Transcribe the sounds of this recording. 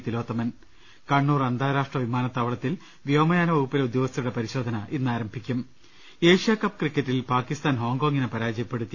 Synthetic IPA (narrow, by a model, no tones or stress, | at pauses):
t̪ilo̞ːt̪ːɐmɐn | kɐɳːuːrɐnd̪ʱaːɾaːʂʈrɐʋimaːnɐt̪ːaːʋɐɭɐt̪ːil | ʋjoːmɐjaːnɐʋuːupːileud̪jo̞ːɡɐst̪ːɐjuɽe̞pɐɾiɕo̞ːd̪ʱɐnɐʔinːaːɾɐmbʱikʲːum | e̞ːʂijakɐpːkrikːɐtːilpaːkːist̪aːnɦo̞ːŋɡoːŋːinepɐɾaːd͡ʑɐjɐpːe̞ɽut̪ːi